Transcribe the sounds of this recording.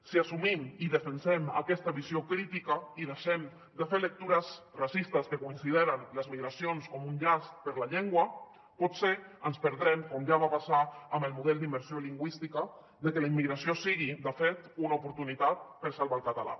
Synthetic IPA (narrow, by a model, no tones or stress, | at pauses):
siasumimiðəfənsɛmə̰kɛst̪əβiziokɾit̪ikəiðeʃɛm | d̪əfelək̚t̪uɾəzrasist̪əskəkuinsiðeɾənləzmiɣɾasionskɔmunʎast̪̚pəɾlaʎeŋɡwə | pɔt̪seənspəɾðɾɛmkɔmʒaβapasaəmbəlˠmuðɛlˠd̪imbəɾsioliŋɡwist̪ikə | ðəkələimːiɣɾasiosiɣid̪əfet̪unaupuɾt̪unit̪at̪̚pəɾsalˠβalˠkat̪ala̰